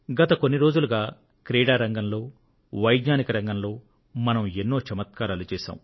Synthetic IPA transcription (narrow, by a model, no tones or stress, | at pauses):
ɡɐt̪ɐko̞nːiɾo̞ːd͡ʒuluɡaː | kɾeːɽaːɾɐŋɡɐmlo̞ː | ʋɐjd̪ɲaːnikɐɾɐŋɡɐmlo̞ː | mɐnɐmenːo̞ːt͡ʃɐmɐt̪kaːɾaːlut͡ʃɛːʃa̰ːm